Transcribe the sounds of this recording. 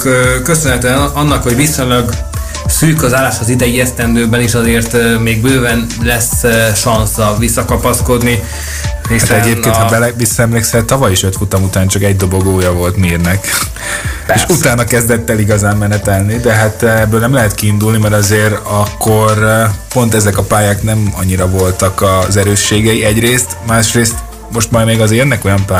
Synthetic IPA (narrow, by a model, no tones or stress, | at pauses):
køsønhɛt̪øɛnɒnːɒkho̞ɟvisoɲlɒɡ | syːkɒzaːlːaːʃɒzid̪ɛjiɛst̪ɛnd̪øːbɛniʃɒzeːrt̪ːmeːɡbøːvɛnlɛsʃɒnsɒvisːɒkɒpɒsko̞d̪ni | eːʃaɛɟeːp̪eenhɒbɛlɛʋisːɒɛmleːksɛt̪t̪ːɒvɒjiʃɛt̪fut̪ɒmut̪aːnt͡ʃɒkɛɟ̚d̪o̞bo̞ɡoːjɒvo̞lt̪miːrnɛk | eːʃut̪aːnɒkɛzd̪ɛt̪ːɛliɡɒzaːmːɛnɛt̪ɛlnid̪ɛɦat̪ɛbːøːlnɛmlɛɦɛt̪kiːnd̪ulnimɛɾɒzeːɾɒkːo̞rpo̞nt̪ɛzɛkɒpaːjaːknɛmɒɲːiɾɒvo̞lt̪ɒkɒzɛɾøːʃːeːɡɛiɛɟreːst̪maːʃreːst̪ | mo̞ʃt̪mɒjmeːɡɒzeːjønːɛko̞jɒmpaː